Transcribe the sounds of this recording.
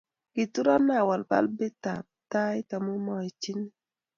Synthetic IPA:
ki˨tu˦ɾa˦na˦˨wa˨lpa̰˦lbe˦ta˨p̚ta˦jta˨mo˦mɔ˦i˨t͡ʃi˦ni˦

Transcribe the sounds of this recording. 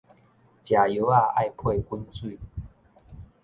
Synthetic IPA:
t͡ɕja˨jo˨˦a˥˧a˥˧jpʰwe˥˧ku˧˥nt͡swi˥˧˨

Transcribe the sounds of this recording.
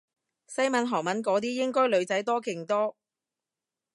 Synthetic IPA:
sɐ˥jmɐ˨˧nɦɔː˨˩ŋmɐ˨˥nkɔː˨˥t̪iː˥jɪ˥ŋkɔː˥jlɵ˨˧ɥt͡sɐ˨˥jt̪ɔː˥kɪ˨˩ŋt̪ɔː˥

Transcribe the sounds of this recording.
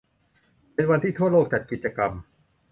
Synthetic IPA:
pe˧nwa˧nt̪ʰiː˥˩t̪ʰu˥˩əloː˥˩k̚t͡ɕa˨˩t̪̚ki˨˩t͡ɕa˧ka˧m

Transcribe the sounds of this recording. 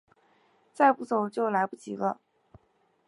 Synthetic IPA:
t͡sa˥˧ɪpu˥˩t͡so˨˩ʊt͡ɕjo˥˩ʊla˧˥ɪpu˥˩t͡ɕḭ˧˥lə˧

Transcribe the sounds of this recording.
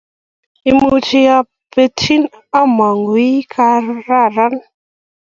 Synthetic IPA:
i˨mu˦t͡ʃi˦ja˦ | pe˦tʰi˦na˦ma˨ŋɡwi˦kʰa˧ɾa˦˨ɾa˦n

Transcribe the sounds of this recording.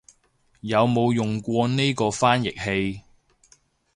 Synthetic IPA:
jɐ˨˧wmo˨˧wjʊ˨ŋkʷɔː˧ne˥kɔː˧faː˥njɪ˨k̚he˧j

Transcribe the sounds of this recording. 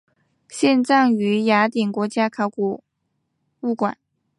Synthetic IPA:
ɕjɛ˥˧nʈ͡ʂɑ˥˩ŋy˧˥ja˧˥t̪i˨˩ŋkwɔ˧˥t͡ɕja˥kʰa˧˩ʊku˨˩ | u˥˩kwa̰˨˩˦n

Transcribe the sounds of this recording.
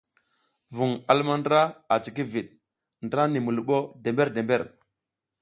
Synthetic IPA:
vu˨ŋa˦lma˦ndɾa˦a˨t͡ʃi˨ki˦vi˨ɗ̚ | ndɾa˦ni˨mu˨lu˨ɓo˦de˨mbe˦ɾde˨mbe˦ɾ

